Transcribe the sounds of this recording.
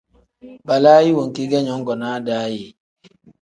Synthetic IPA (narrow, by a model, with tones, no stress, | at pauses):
ba˨la˦ji˦wo˨ŋ˨ki˦ɡɛ˦ɲɔ˦ŋ˦ɡɔ˨na˦da˨˦ji˨